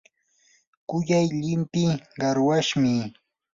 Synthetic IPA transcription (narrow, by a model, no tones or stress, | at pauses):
kʊjajʎɪmpɪɢɑɾwaʃmɪ